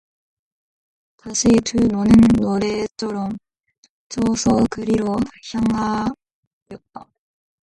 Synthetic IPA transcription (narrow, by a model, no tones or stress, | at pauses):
taɕʰitunonɯnːoɾet͡ɕʰʌɾʌm | t͡ɕʌsʰʌkɯɾiɾoçjaŋɦa | jʌt̚t͈a